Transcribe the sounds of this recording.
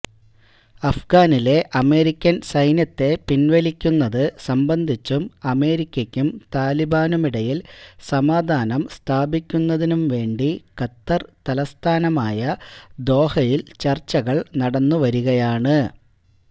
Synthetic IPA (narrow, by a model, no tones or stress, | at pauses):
ɐfɡaːnile̞ʔɐme̞ːɾikʲːɐnsɐjnjɐt̪ːe̞pinʋɐlikʲːunːɐðɨsɐmbɐnd̪ʱit͡ɕːumɐme̞ːɾikʲːɐkʲːumt̪aːlibaːnumiɽɐjilsɐmaːd̪ʱaːnɐmst̪ʰaːbikʲːunːɐðinumʋe̞ːɳɖikɐt̪ːɐrt̪ɐlɐst̪ʰaːnɐmaːjɐd̪o̞ːhɐjilt͡ɕɐrt͡ɕːɐɣɐɭnɐɽɐnːuʋɐɾuɣɐjaːɳɨ